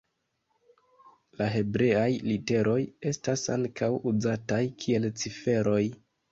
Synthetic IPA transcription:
laɦe̞bɾe̞ajlite̞ɾʔo̞je̞stasa̰ŋkʰawuzatajkʰie̞lt͡sife̞ɾo̞j

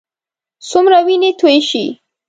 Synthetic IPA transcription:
sumɾawinit̪ʰujʃi

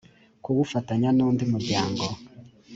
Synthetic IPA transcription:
kuβufataɲanuːndimuɾjaːŋɡo

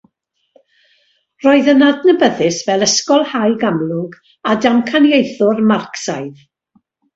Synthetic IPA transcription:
roːɨðənadnəbəðɪsvɛlˠəskɔlˠhajɡamlˠʊŋɡ | adamkʰanjejθʊrmarksajð

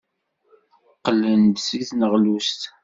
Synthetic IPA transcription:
qːlːənd̪siθnəʁlust̪

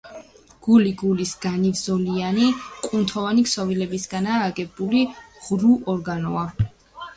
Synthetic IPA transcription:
ɡ̥uliɡulisɡ̥anivzɔlianikʼunt̪ʰɔvaniksɔvilɛbisɡanaːɡɛbuliʁɾuʔɔɾɡanɔa

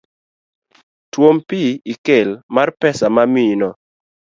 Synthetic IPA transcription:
twompiikelmarpɛsamaminɔ

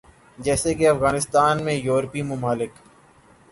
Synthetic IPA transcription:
d͡ʒɛːsekeɐfɣaːnɪst̪aːnmẽjoːɾpimʊmaːlɪk

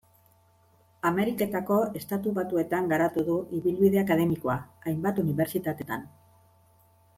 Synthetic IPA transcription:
ame̞ɾike̞t̪ako̞e̞st̪at̪uβat̪ue̞t̪aŋɡaɾat̪uðuiβilβiðe̞akaðe̞miko̞aajmbat̪uniβe̞ɾt͡sit̪at̪e̞t̪a̰n

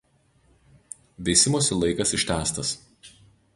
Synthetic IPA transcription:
ʋʲɛɪsʲɪmoːsʲɪlˠɐɪkɐsɪʃʲt̪ʲæːst̪ɐs

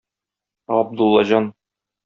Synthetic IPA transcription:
ɒb̚d̪ulˠːɑʑɑn

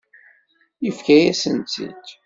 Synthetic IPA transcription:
jəfkæjæsənt̪ḭt̪

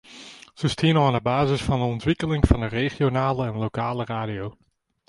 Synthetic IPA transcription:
z̥əstʰiənɔnəbaːzəsfɑndəɔntʋɪkəlɪŋvɑndəreχjonaːləɛnlokaːləraːdijow

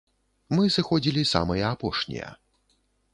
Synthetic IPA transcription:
mɨsɨxɔd͡zʲilʲisa̰mɐjɐapɔʂnʲḭjɐ̰

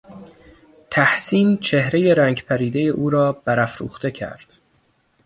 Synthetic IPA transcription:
t̪ʰæhsiːnt͡ʃʰe̞hɾe̞je̞ɾæːŋɟpʰæɾiːd̪e̞jeʔuːɾɒːb̥æɾæfɾṵːxt̪e̞cʰæ̰ɾd̪̥

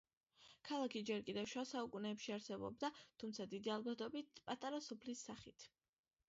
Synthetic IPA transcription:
kʰalˠakʰid͡ʒɛɾkʼid̪ɛvʃwasaukʼunɛːpʃiaɾsɛbɔ̰b̚d̪at̪ʰumt̪sʰad̪id̪ialˠbat̪ʼɔbit̪ʰpʼat̪ʼaɾasɔpʰlisːaχit̪ʰ

